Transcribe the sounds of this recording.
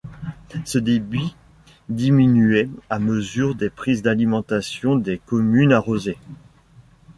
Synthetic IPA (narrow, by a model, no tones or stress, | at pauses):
səd̪ebi | d̪iminyɛaməzyʁd̪epχizd̪alimɑ̃t̪asjɔ̃d̪ekɔmynaʁoze